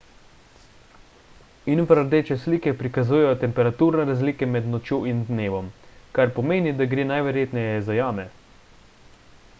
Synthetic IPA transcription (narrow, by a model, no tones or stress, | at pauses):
infaɾəɾd̪eːt͡ʃɛsliːkɛpɾikazuːjɛjɔt̪ɛmpɛɾat̪uɾnɛɾazliːkɛmɛd̪nɔt͡ʃjoːind̪neːʋɔmkaɾpɔmeːnid̪aɡɾeːnajʋɛɾjeːt̪nɛjɛzajaːmɛ